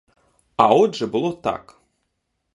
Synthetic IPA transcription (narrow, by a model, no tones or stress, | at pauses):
ɐɔd̪ʐɛbɨlˠɔt̪a̰k